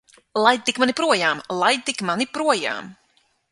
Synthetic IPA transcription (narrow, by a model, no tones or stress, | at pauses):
lˠajd̪̚t̪ikmanipɾuɔjaːmlˠaj̪̚t̪ikmanipɾuɔja̰ːm